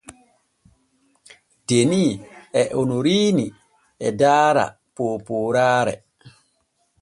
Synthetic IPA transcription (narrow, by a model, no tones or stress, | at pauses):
d̥eniɛʔonoɾiːni | ɛdaːɾa̰ | poːpoːɾaːɾɛ̰